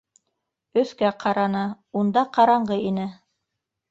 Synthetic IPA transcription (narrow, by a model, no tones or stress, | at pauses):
ɵ̆θkæqʰɑɾɑnɑ | und̪ɑqɑɾɑɴɢɤinɘ